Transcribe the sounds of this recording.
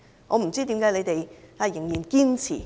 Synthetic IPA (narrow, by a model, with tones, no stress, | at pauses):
ʔɔ̰ː˨˧m̩˨˩t͡siː˥t̪i˨˥mkaː˨˥jle˨˧jt̪e˨ja˧˩jɪ˨˩ŋjiː˨˩nkiː˥nt͡sʰḭː˨˩